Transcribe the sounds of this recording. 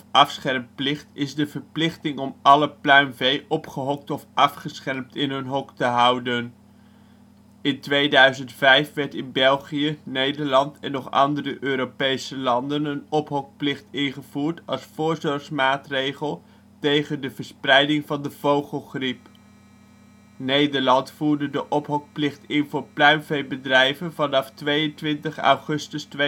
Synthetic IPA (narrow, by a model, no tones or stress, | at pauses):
ɑfsχɛɹmplɪχtɪzdəvəɹplɪχtɪŋɔmɑləplœɥmvejʔɔpχəɦɔk̚tɔfʔɑfχəsχɛɹmtɪnɦɵnɦɔktəɦʌwdən | ɪntʋejdœɥzəntfɛjfʋɛɹtɪnbɛlˠχijənejdəɹlɑntɛnːɔχɑ̰ndərəʔøːɾopejsəlɑndənənɔpɦɔk̚plɪχtɪnχəv̥uːɹtɑlˠsfʊːɹzɔɹχsmaːtrejχəlˠ | tejχəndəvəɹsprɛjdɪŋvɑndəvowχəlˠχrip | nejdəɹlɑntfuːɹdədəʔɔpɦɔk̚plɪχtɪnvʊːɹplœɥmvejbədrɛjvənvɑnɑftʋejəntʋɪntəχɑ̰wχɵstəste